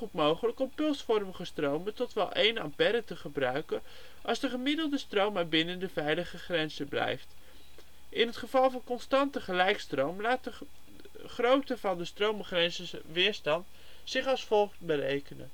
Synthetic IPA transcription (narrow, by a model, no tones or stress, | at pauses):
χutmowχələkɔmpɵlˠsfɔrməχəstrowmətɔtʋɛ̰lˠʔejnɑ̰mpɛɾətəχəbrœɥkən | ʔɑlˠzdəχəmɪdəlˠdəstrowmaːɹbɪnəndəvɛjləχəχrɛnzəblɛ̰jft | ɪnɦətχəv̥ɑlˠvɑnkɔnstɑntəχəlɛjkstrowmlaːtə | χrowtəvɑndəstrowmχrɛnzəʋɪːɹstɑnt | sɪχɑlˠsfɔlˠχtbərḛjkənə̰n